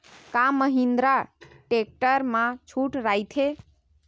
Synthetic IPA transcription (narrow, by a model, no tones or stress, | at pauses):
kaməɦind̪ɾaʈek̚ʈəɾmãt͡ʃʰuʈɾajt̪ʰe